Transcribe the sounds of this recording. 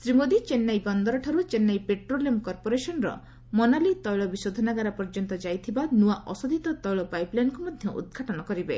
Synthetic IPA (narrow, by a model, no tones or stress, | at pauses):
sɾimod̪it͡ʃenːajbɔnd̪ɔɾɔʈʰaɾut͡ʃenːajpeʈɾolijɔmkɔɾpoɾesɔnɾɔ̰ | mɔnalit̪ɔjɭɔbisod̪ʱɔnaɡaɾapɔɾd͡ʒɔnt̪ɔd͡ʒajt̪ʰibanuaʔɔsɔd̪ʱit̪ɔt̪ɔjɭɔpajplankumɔd̪ʱjɔʔṵd̪̚ɡʱaʈɔnɔkɔɾibe